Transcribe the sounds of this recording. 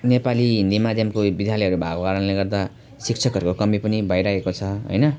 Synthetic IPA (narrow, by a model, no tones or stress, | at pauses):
nepaliɦind̪imad̪ʱjʌmkobid̪ʱjalʌɦʌɾubʱaɡokaɾʌnleɡʌrd̪a | sikt͡sʰʌkɦʌɾukokʌmipʌnibʱʌjɾaekot͡sʰʌɦʌ̰jnʌ